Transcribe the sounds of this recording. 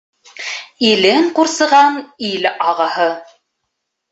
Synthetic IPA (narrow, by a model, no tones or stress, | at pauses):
ilɘŋquɾsɤ̆ʁɑnilɑʁɑhɤ